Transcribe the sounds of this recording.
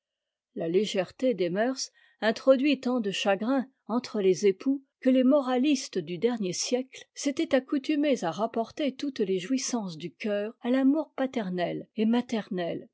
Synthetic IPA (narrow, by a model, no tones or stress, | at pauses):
laleʒɛʁt̪ed̪emœʁs | ɛ̃t̪χɔd̪ɥit̪ɑ̃d̪əʃaɡʁɛ̃ | ɑ̃t̪χəlezepʰukəlemɔʁalist̪d̪yd̪ɛʁnjesjɛklset̪ɛt̪akut̪ymezaʁapɔʁt̪et̪ut̪leʒwisɑ̃sd̪ykʲœːʁalamuʁpat̪ɛʁnɛlemat̪ɛʁnɛl